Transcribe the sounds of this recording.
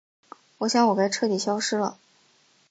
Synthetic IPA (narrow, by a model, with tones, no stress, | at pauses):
wɔ˨˩ɕjɑ˥ŋwɔ˨˩ka˥ɪʈ͡ʂʰɤ˥˩t̪i˨˩ɕjɑ˥ʊʂɻ̩˥lə̰˨